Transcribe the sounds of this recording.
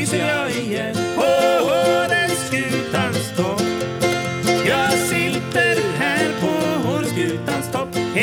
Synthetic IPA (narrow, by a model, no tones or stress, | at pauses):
səjɑːɪ | ɛpʰɔoɾəskʉ̟ːt̪anst̪ʰɔp | jɑːɡsɪlt̪ːəɾɦæːɾpʰɔɦoɾskʉ̟ːt̪anst̪ʰɔpːh